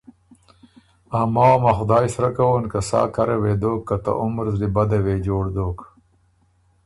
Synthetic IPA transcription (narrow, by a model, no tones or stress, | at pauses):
aːmawmaxʊd̪aːjsɾakawonkasa̰ːkɐɾɐweːd̪oːkːat̪a̰ʔʊmɾzlibɐd̪ɐweːd͡ʒoːɽd̪oːk